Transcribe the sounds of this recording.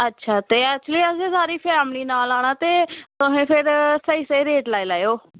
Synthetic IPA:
ətːʃʰaːt̪eːɛkːt͡ʃʊliːəsẽːsaːɾiːpʰɛːmɽiːnaːlaːɽ̃aːt̪eːt̪ʊɦẽːpʰɪɾsəiːsəiːɾeːʈlaːiːlaːjoː

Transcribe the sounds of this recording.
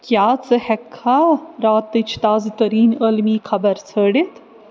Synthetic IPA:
kjaːt͡sɨhɛkʰːaɾaːt̪ːɨt͡ʃʰt̪aːzt̪ɐɾiːnəlmiːkʰɐbɐɾt͡sʰəːɽit̪ʰ

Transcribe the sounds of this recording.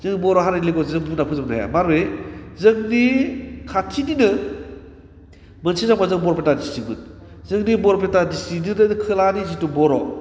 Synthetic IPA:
zɯŋbɔɾɔɦaɾaliɡɔzɯŋbunapʰɯzɯmnaja̰maɾezɯŋnikʰatʰininɯ | mɐnsizabazɯŋbɔɾpʰetadistimɯt | zɯŋnibɔɾpʰetadistiniɾɯnkʰɯlanizitubɔɾɔ

